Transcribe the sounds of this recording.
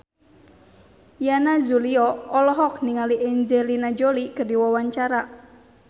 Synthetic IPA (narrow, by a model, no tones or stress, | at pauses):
janazuliɔɔlɔɦɔk̚niŋaliʔɛɲd͡ʒelinad͡ʒolikədiwawaɲt͡ʃaɾaʔ